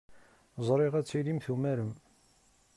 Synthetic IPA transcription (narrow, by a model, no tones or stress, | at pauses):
zˤɾˤeʁæt͡sːilimθumæɾəm